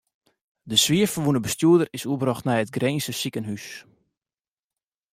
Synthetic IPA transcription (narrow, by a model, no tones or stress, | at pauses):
dəsʋiəfərʋunəbəstjuədərɪsuəbrɑχtnɛjətɡreːnsəsikənɦys